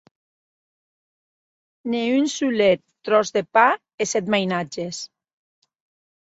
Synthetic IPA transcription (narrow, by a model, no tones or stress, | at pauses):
neynsulet̪ːɾɔzðepa | esɛt̪majnad͡ʒes